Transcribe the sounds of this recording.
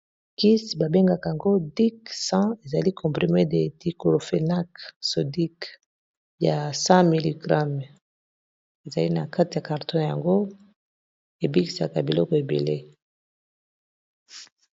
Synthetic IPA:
ki˦sba˨be˦ŋɡa˨ka˨a˨ŋɡo˦di˦ksɑ̃˦e˨za˨li˦kʰɔ̃˨pʁi˨me˦de˨di˨ko˨lo˨fe˨na˦kso˨di˦k | ja˨sɑ̃˦mi˨li˨ɡʁa˦m | e˨za˨li˦na˨ka˦ti˨ja˨ka˨ʁtɔ̃˦nja̰˨ŋɡo˦ | e˨bi˦ki̥˨sa˨ka˨bi˨lɔ˦kɔ˨e˨bḛ˨le˦

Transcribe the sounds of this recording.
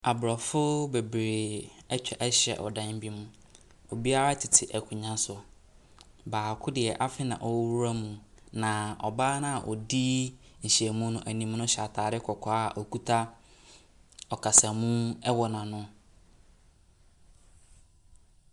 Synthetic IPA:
a˨bɾɔ˨fʊ˦be˨bɾe˨ɛ˦t͡ɕᶣɛ˨ʔɛ˦ɕɛ̰˨ʔɔ̰˨dã˦n˦bi˦mũ˦ | o˨bi˦a˦ɾa˦tʰɪ˨tʰɪ˨ʔɛ˨kʰʊ˨ɲã˦sʊ˨ | baː˨kʰʊ˦dɪ˨ɛ˨ʔa˦fɪ˦nã̰˨ʔɔ˨˦wu˦ɾa˦mũ˨ | nã˨ɔ˨baː˦nã˦a˨ʔɔ˨di˦ɲ̩˨ɕi˨ɛ˨mũ˦nʊ̃˦˨ʔæ˨nĩ˨m˦nʊ̃˦ɕa˨tʰaː˨ɾɪ˦kʰɔ˨kʰɔ˨˦˨ʔɔ˨kʰu˦tʰa˦ | ɔ˨kʰa˨sa˨mũ˦ɛ˦wɔ˨nã˨nʊ̃˦

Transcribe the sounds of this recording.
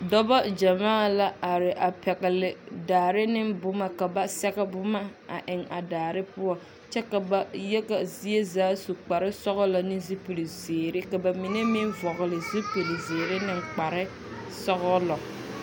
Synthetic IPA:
dɔ˦bɔ˦d͡ʒa˨maː˦˨la˦a˨ɾɪ˨ʔa˨pɛ˨ɣɪ˨lɪ˨daː˨ɾɪ˦nɪ˦mbʊ˦ma˦ka˨ba˦sɛ˦ɣɛ˦bʊ˦ma˦a̰˨ʔɪ˨ŋa̰˨daː˨ɾɪ˦pʊ˦ɔ˨ | t͡ʃɛ˦ka˨ba˨jɛ˦ɣa˨zi˦e˦zaː˨˦su˨k͡pa˨ɾɪ˦sɔ˦ɣɔ˦la˨nɪ˦zi˦pu˨li˨zeː˨ɾɪ˦ka˨ba˨mi˨ne˦mɪ˦vɔ˨ɣɪ˨lɪ˨zi˦pu˨li˨zeː˨ɾɪ˦nɪ˦ŋk͡pa˨ɾɪ˦ | sɔ˦ɣɔ˦lɔ˨

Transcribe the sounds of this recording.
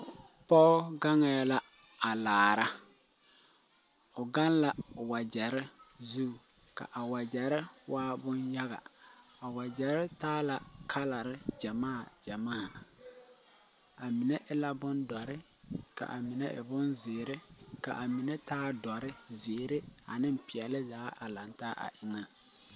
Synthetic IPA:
pɔ˦ʊ˦ɡa˦ŋɛ˨˦la˦ | a˨laː˨ɾa˦ | ʊ˨ɡa˦n˦la˨wa˨d͡ʒɛ˨ɾɪ˦zu˦˨ | ka̰˨ʔa˨wa˨d͡ʒɛ˨ɾɪ˦wʔaː˦bʊ˦nja˦ɣa̰˨a˨wa˨d͡ʒɛ˨ɾɪ˦taː˦la˨kʰa˦la˨ɾɪ˦d͡ʒa˨maː˦˨d͡ʒa˨maː˦˨ | a˨mi˨nɛ˦ʔɪ˦la˦bʊ˦ndɔ˨ɾɪ˦ | ka̰˨ʔa˨mɪ˨nɛ˦ʔɪ̰˨bʊ˦nzɪ˨ɾɪ˦ka̰˨ʔa˨mi˨nɛ˦taː˦dɔ˨ɾɪ˦zɪː˨ɾɪ˦a̰˨nɪ˦m˨pɪ˨ɛ˨lɪ˦zaː˨˦ʔa˨la˨ntaː˦ʔa̰˨ʔɪ˨ŋa˨

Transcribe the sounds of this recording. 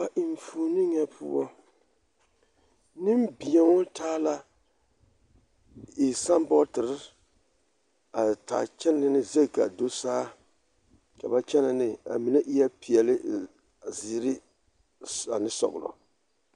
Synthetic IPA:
a˨ʔi˨m˨fuː˨˦nɪ˦ŋɛ˦pʊ̰˦ɔ˦ | nɪ˦mbi˨ɛ˨ŋɔ˦taː˦la˦ | i˨sa˦mbɔ˦tɪ˨ɾɪ˦ | a˨ta̰ː˨t͡ʃɛ˦n˦ɪ˦nɪ˦zɛ˦˨ka˨do˦saː˦ | ka˨ba˦t͡ʃɛ˦na˨nɪ˨a̰˨mi˨nɛ˦ʔi˦jɛ˦pi˨ɛ˨lɪ˦ | zi˨˦ɾɪ˦ | a˨nɪ˦sɔ̰˨ɣʊ̰˨lɔ̰˨

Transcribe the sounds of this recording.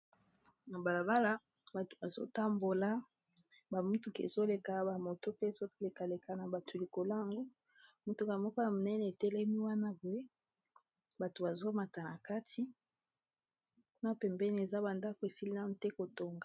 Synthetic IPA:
na˨ba˨la˨ba˦la˦ | ba˨to̥˨ba˨zo̰˦ta˦mbo˨la˦ | ba˨mu˦tu˨kḛ˨zo˦le˨ka˨ba˨mo˨to˦pe˦˨zo˦le˨ka˨le˨ka˨na˨ba˨tʰo˨li˨ko˨la˦˨ŋɡo˦ | mu˨tu˨ka˨mɔ˦kɔ˦ja˨mo˨nɛ˦nɛ˨e˨tɛ˦lɛ˦mi˦wa˦na˦bo˨e˦ | ba˨to˨ba˨zo˦ma˨ta˨na˨ka˦tʰi˦ | ku˦na˦pɛ˨mbɛ˦ni˨˦e˨za˦ba˨nda˦ko˨e˨si˦li˦na˦n˨tɛ˦ko˨to˨ŋɡa˨

